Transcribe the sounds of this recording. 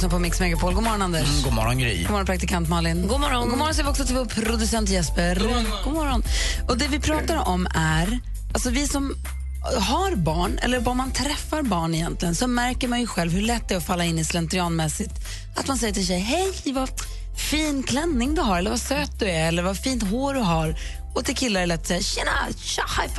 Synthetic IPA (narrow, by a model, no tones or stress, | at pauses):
snapʰɔmɪksmɛɡapʰoːlɡuːmɔɾɔnand̪ɛʂɡuːmɔ̰ɾɔnɡɾɛ̰jːmɔɾɔnpʰɾak̚t̪ɪkʰant̪mɔːlɪnɡumɔɾɔnɡuːmɔɾɔns̬jɛːvɪɔksɔt̪ʰɪlvoːɾpʰɾʊd̪ɵsɛnt̪jɛspəɾɡ̥uːmɔɾɔnɔd̪ɛvɪpʰɾɑːt̪aɾɔmæɾ | ʔalsɔvɪsɔm | haɾbɑːɳɛ̰lːəɾvamant̪ʰɾɛfːaɾbɑːɳɪjɛnt̪lɪɡənsɔmæɾkəɾmanjɵɧɛlvhɵɭɛt̪ːd̪ɛæɾɔfalːaɪnːɪslɛnt̪ɾɪɑːnmɛsɪt̪ | at̪mansɛjːəʈʰɪls̬ɛjɦɛjva | fiːnkʰlɛnːɪŋd̪ɵɦaɾɛlːəɾvasøːt̪̚d̪ɵæɾɛlːəɾvafiːnt̪ɦoːɖɵɦaɾ | ɔt̪ɪlkʰɪlːaɾɭɛt̪ːɔsɛjːaɕɛna̰ɕahaf